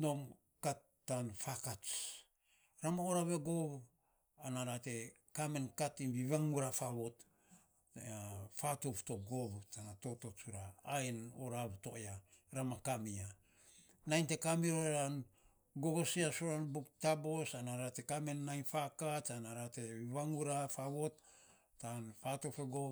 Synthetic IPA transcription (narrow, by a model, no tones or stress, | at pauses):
no̞m | katː | anfakat͡ʃ | ɾamaoɾaβeɡoβ | anaɾate̞ | kame̞nkatimbiβaŋuɾafaβot | fatoptoɡo̞βutanato̞to̞t͡ʃuɾaːenoɾaβto̞ʔea | ɾamakamia | najnte̞kamiɾoɾan | ɡo̞ɡosiasuɾanbuktabo̞sanaɾate̞kame̞nːajnfakat͡ʃanaɾate̞βiβaŋuɾafaβo̞t̚ː | anpato̞fe̞ɡo